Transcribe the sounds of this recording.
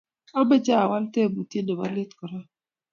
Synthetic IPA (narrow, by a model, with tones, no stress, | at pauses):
a˦be˦d͡ʒa˦a˨wa˦lte˦˨bu˨ti˦ne˨ba˦li˦tkɔ˨ɾa˦